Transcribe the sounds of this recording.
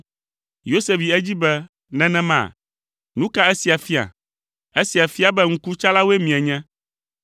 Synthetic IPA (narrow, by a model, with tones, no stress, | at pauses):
jo˦se˨vi˨ɛ˦d͡ʑi˦bɛ˦ | nɛ̃˦nɛ̃˦mã̰˦˨ | nũ˦ka˦ɛ˦si˨a˨fi˦a̰˨ | e˦si˨a˨fi˦a˨bɛ˦ŋ̩˦ku˦t͡ʃa˦la˦wo˦e˦mĩ˨ɛ˨ɲɛ̃˦